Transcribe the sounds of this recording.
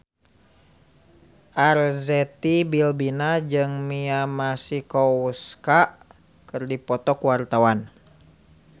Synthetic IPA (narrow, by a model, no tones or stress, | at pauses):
ʔarzɛt̪ibilbinad͡ʒɨŋmiamasikɔuskaʔ | kɨrdipɔt̪ɔkuwart̪awan